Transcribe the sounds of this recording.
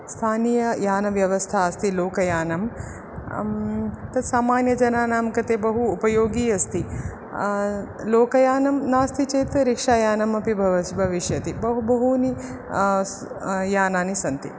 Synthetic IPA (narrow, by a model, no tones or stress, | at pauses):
st̪ʰaːniːjɐjaːnɐʋjɐʋɐst̪ʰaːɐst̪iloːkɐjaːnɐm | t̪ɐd̪saːmaːnjɐd͡ʒɐnaːnaːmkɐt̪eːbɐɦuːpɐjoːɡiːɐst̪i | loːkɐjaːnɐmnaːst̪ʰit͡ʃeːt̪ɾikʂaːjaːnɐmɐpibʱɐʋɐbʱɐʋiʃjɐt̪ibɐɦubɐɦuni | jaːnaːnisɐnt̪i